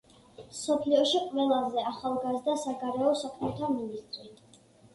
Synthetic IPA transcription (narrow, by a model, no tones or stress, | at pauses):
msɔpʰliɔʃiqʼvɛlˠazɛaχalˠɡazd̪asaɡaɾɛɔsakʰmɛt̪ʰaminist̪ʼɾi